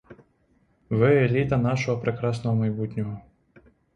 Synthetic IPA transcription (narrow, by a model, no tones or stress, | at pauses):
vɛɛlʲit̪ɐnaʃɔɦɔpɾɛkɾasnɔɦɔmɐjbut̪ʲnʲɔɦɔ